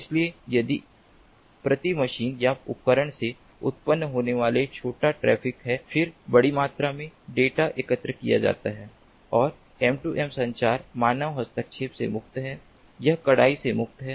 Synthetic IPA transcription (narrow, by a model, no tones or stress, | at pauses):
ɪsliejɐd̪i | pɾɐt̪imɐʃiːnjaʊ̰p̚kəɾəɽ̃se | ʊ̰t̪̚pənːɦoːneʋaːlet͡ʃʰoːʈaʈɾɛ̰ːpʰɪkɦɛfʰɪɾbɐɽimaːt̪ɾamẽɖeːʈaʔekət̪ɾəkija̰d͡ʒa̰ːt̪aɦɛː | ɔːɾ | ɛːmʈuːʔɛːmsɐ̃ɲt͡ʃaːɾmaːnəʋɦɐst̪ək̚ʃʰeːpsḛmʊkt̪ɦɛː | jɐɦkɐɽaːisemʊk̚t̪ɦɛː